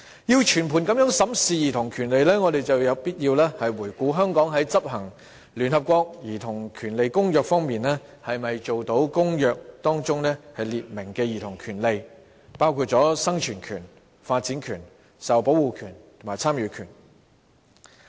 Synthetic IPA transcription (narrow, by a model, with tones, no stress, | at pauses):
jiː˧wt͡ʃʰyː˨˩npʰu˨˩nkɐ˨˥mjœ˨˥ŋsɐ˨˥msiː˨˧jiː˨˩t̪ʰʊ˨˩ŋkʰyː˨˩nle˨jlɛː˥ŋɔː˨˧ɾe˨jt͡sɐ˨wjɐ˨˧˥wpiː˥t̚jiː˧wlɛː˥hɐ˨jwuː˨˩jkʷuː˨˥ɦœː˥ŋkɔː˨˥ŋɦɐ˨˥jt͡sɐ˥p̚ɦɐ˨˩ŋ | lyː˨˩nhɐ˨p̚kʷɔː˧k̚jiː˨˩t̪ʰʊ˨˩ŋkʰyː˨˩nle˨jkʊ˥ŋjœː˧k̚fɔː˥ŋmiː˨nɛː˥hɐ˨jmɐ˨jt͡ʃo˨wt̪o˨˥wkʊ˥ŋjœː˨˧k̚t̪ɔː˥ŋt͡sʊ˥ŋnɛː˥hɐ˨jliː˨t̚mɪ˨˩ŋkɛː˧jiː˨˩t̪ʰʊ˨˩ŋkʰyː˨˩nle˨j | paː˥wkʰuː˧t̚t͡sɔː˨˥sɐ˥ŋt͡ʃʰyː˨˩nkʰyː˨˩n | faː˧t̚t͡si˨˥nkʰyː˨˩n | sɐ˨˩wpo˨˥wuː˨kʰyː˨˩ntt̪ʰʊ˨˩maː˨˩jt͡sʰaː˥mjyː˨˧kʰyː˨˩n